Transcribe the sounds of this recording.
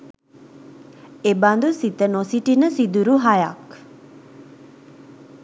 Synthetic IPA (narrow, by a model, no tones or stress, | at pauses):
eband̪usit̪ənosiʈinəsid̪uɾuɦajak